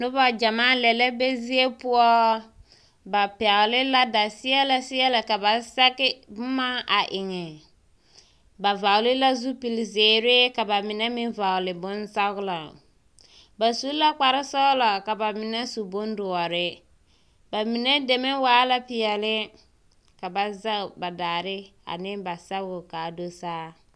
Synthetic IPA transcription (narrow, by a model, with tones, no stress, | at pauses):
nʊ˦ba˦d͡ʒa˨maː˦lɛ˨lɛ˦be˦zi˦e˦pʊ˦ɔ˦ | ba˨pɛ˨lɪ˦la˦da˨sɪ˦ɛ˦la˨sɪ˦ɛ˦la˨ka˨ba˨sa˦ɣɪ˦bʊ˦maː˦ʔa˨ʔɪ˨ŋɛ˨ | ba˨va˨ʊ˨lɪ˦la˦zu˦pi˨lzeː˨ɾɪ˦ka˨ba˨mɪ˨nɛ˦mɪ˦nva˨ʊ˨lɪ˨bʊ˦n˦sa˦ɣla˨ | ba˨su˦la˦k͡pa˨ɾɪ˦sɔ˦la˨ka˨ba˨mɪ˨nɛ˦su˨bʊ˦n˦dʊ˨ɔ˨ɾɪ˦ | ba˨mɪ˨nɛ˦de˨mɛ˦waː˦la˦pɪ˨ɛ˨lɪ˦ | ka˨ba˨za˦˨ba˨daː˨ɾɪ˦ | a̰˨nɪ˦ba˨sa˦ɡʊ˨ka˨do˦saː˦